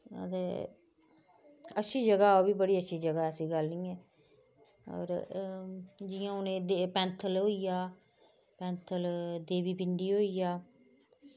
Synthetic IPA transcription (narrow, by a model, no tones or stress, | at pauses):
ə̰t̪eː | əʃʰiːd͡ʒəɡaːoːbiːbəɽiːətːʃʰiːd͡ʒəɡaːɛəsĩːɡəlnĩːɛː | ɔ̰ːɾ | d͡ʒɪjãːʊnẽːd̪epɛ̃ːnt̪ʰəlɦoːiːjaː | pɛ̃ːnt̪ʰəld̪eːʋiːpɪɳɖiːɦoːijaː